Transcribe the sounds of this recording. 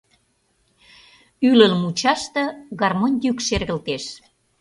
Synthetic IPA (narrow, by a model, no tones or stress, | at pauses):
ylələmut͡ɕɑʃt̪ɤ̆ɣɑrmonʲjykʃerɣəlt̪eʃ